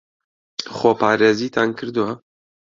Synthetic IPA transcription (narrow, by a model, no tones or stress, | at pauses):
xoːpʰɑːɾeːziːt̪ʰankʰɨɾd̪uwa